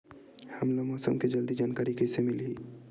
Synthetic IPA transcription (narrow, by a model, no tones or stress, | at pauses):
hɐmlamɔːsə̰mked͡ʒɐld̪id͡ʒaːnkaːɾikɛsemɪli